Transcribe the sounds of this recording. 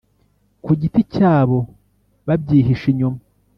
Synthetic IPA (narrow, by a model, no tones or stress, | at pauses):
kuɟiticaːβo̞ | βabɟiːɦiʃiɲuma